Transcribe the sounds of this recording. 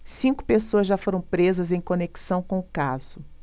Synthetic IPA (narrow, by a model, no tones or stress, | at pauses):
sĩŋkʊ̥pesoɐzʒafoɾɐ̃w̃pɾezɐzẽj̃koneki̥sɐ̃w̃kõʊkazʊ